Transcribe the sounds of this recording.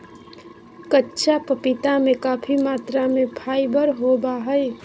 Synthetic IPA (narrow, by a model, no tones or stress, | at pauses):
kətːʃʰapəpɪt̪amẽkaːpʰimaːt̪ɾamẽpʰaːibəɾɦoːbaɦəi